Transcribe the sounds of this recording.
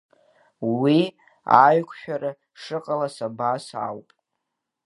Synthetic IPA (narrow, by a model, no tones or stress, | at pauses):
wi | aɥkʷʰʃᶣaɾa | ʂɨqʼalasabasa̰wpʼ